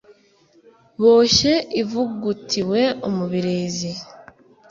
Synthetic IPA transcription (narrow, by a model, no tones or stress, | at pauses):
βo̞ːʃe̞ʔivuɡutiwe̞omuβiɾeːzi